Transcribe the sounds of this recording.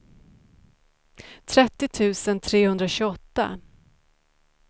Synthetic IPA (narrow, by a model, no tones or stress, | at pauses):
t̪ʰɾɛt̪ːɪt̪ʰʉ̟ːsənt̪ʰɾeːhɵnd̪ɾaɕɵɡɔt̪ːa̰